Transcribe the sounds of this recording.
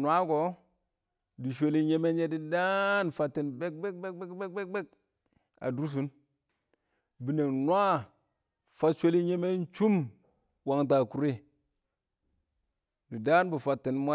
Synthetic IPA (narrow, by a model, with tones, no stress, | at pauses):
nwa˦ko˨˦ | di˨ʃ̬ʷe˦li˦ɲe˦me˦e˦di˦da˦nfa˨tːi˨nbe˦k̚be˦k̚be˦k̚be˦kbe˦k̚be˦k̚be˦k̚ | a̰˨du˦s̬u˦n | bi˨ne˨nʷa˦ | fa˦tʃʷe˦li˦ɲe˦me˦n˦t͡ʃu˦m | wa˨ŋt̬a˨ku˨˦ɾi˦ | di˨da˦nbi˨fa˨tːi˨nmʷa˦